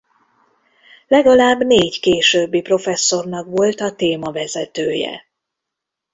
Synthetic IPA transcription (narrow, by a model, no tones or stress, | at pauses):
lɛɡɒlaːbːneːɟkeːʃøːbːipro̞fɛsːo̞rnɒkʋo̞lt̪ɒt̪eːmɒvɛzɛt̪øːjɛ̰